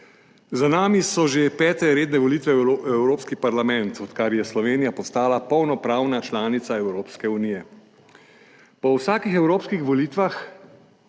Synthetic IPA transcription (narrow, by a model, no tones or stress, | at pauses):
zanaːmisɔʒepɛːt̪ɛɾeːd̪nɛʋɔliːt̪ʋɛɛwɾoːpskipaɾlamɛnt̪ɔt̪kaɾjɛslɔʋeːnijapɔst̪aːlapɔwnɔpɾaːwnat͡ʃlaːnit̪saɛwɾoːpskɛunijɛ | pɔwsaːkixɛwɾoːpskixʋɔliːt̪ʋax